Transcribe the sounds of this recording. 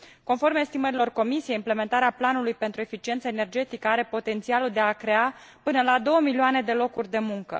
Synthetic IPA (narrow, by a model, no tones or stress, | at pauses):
ko̞nfo̞rmest̪iməɾilo̞rko̞misije̞jimple̞me̞nt̪aɾeaplanulujpe̞nt̪ɾue̞fit͡ʃie̞nt̪səe̞ne̞rd͡ʒe̞t̪ikəaɾe̞po̞t̪e̞nt̪sialuld̪e̞akɾe̞apɨnəlad̪o̞wəmilioane̞d̪e̞lo̞kurʲd̪e̞muŋkə̰